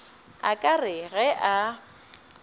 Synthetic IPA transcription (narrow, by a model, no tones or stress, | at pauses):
a̰kʼarɪɣɛʔa